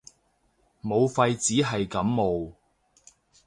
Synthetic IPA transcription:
mo˨˧wfɐ˧jt͡siː˨˥ɦɐ˨jkɐ˨˥mːo˨˧w

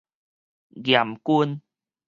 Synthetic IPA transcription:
ɣja˨˩mku˧n

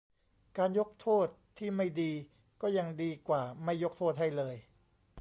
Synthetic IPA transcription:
kaː˧njo˦˥k̚t̪ʰoː˥˩t̪ʰːiː˥˩ma˥˩jdiː˧ | kɔː˥˩ja˧ŋdiː˧kwaː˨˩ma˥˩jːo˦˥k̚t̪ʰoː˥˩t̪̚ɦa˥˩jlɤː˧j

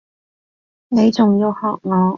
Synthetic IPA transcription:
ne˨˧jt͡sʊ˨ŋjiː˧whɔː˨k̚ŋɔː˨˧

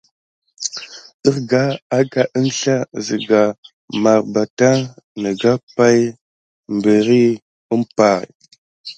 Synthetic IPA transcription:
ɗə˦ɾɡa˦a˦ka˨ʔə˦nɬa˦zə˨ɡa˨ | ma˨ɾba˨ta˦nə˨ɡa˦pa˦j | mbə˨ɾi˦ | ə˦mpa˨ɾ

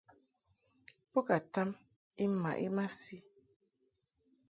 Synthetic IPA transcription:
po˦ka˨ta˦m | i˦ma̰˨ʔi˦ma˦si˦

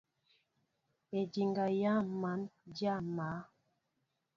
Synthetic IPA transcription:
e˨di˨ŋɡa˨ja˦˨ma˨˦nd͡ʒja˦˨ma˨˦

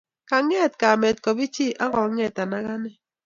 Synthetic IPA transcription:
ka˨ŋɛ˦˨tka˨mɛ˨t̚kɔ˨bi˦t͡ʃi˦˨ʔa˦ɡɔ˨˦ŋɛ˨ta˨na˦ɣa˦nɛ˦

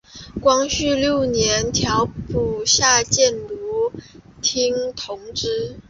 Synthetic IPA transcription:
kwɑ˥ŋɕy˥˧ljo˥˩ʊnjɛ˧˥nt̪ʰjɑ˧˥ʊpu˥˩ɕja˥˧t͡ɕjɛ˥˩nlu˧˥t̪ʰi˥ŋt̪ʰʊ˧˥ŋʈ͡ʂɻ̩˥

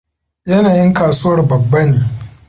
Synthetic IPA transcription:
jɐ˦naː˨jɪ˦ŋkaː˨suː˦wɐ˨rbɐ˨bːɐ˦neː˨

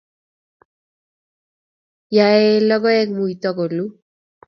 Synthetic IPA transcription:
jae˦lɔɡɔ˦ɛ˦k̚mu˨jt̪ɔko˨lu

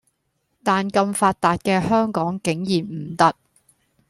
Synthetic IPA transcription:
t̪aː˨nkɐ˧mfaː˧t̚t̪aː˨t̚kɛː˧hœː˥ŋkɔː˨˥ŋkɪ˨˥ŋjiː˨˩m̩˨˩t̪ɐ˥k̚

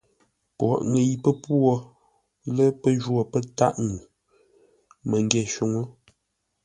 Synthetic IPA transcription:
pwɔ̰˨ʔŋə˨ji˨pə˦pwo˦ | lə˦pə˦ʒwo˦˨pə˦ta̰˦˨ʔŋu˨ | mə˨ŋ˦ɡɛ˨ʃu˨ŋo˦

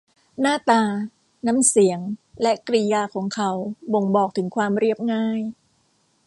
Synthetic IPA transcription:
naː˥˩t̪aː˧ | na˦˥msi˩˦əŋlɛ˦˥kɾi˧jaː˧kʰɔː˩˦ŋkʰa˩˦wbo˧ŋbɔː˨˩k̚t̪ʰɯ˩˦ŋkʰwaː˧mɾi˥˩əp̚ŋaː˥˩j

